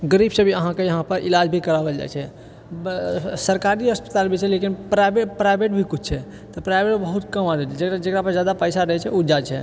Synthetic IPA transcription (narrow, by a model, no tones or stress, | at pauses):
ɡəɾibsə̃bʱiəɦãkejəɦãpəɾʔilad͡ʒbʱikəɾabəld͡ʒa̰jt͡ʃʰɛ | səɾkaɾiəspə̥t̪albʱit͡ʃʰɛlekinpɾajbepɾajbʱeʈ̚bʱikut͡ʃʰt͡ʃʰɛ | t̪ɔpɾajbʱeʈbəɦut̪kəmad͡ʒat͡ʃʰɛd͡ʒekɾad͡ʒekɾapəɾd͡ʒjad̪apəjsaɾəɦɛt͡ʃʰɛud͡ʒat͡ʃʰɛ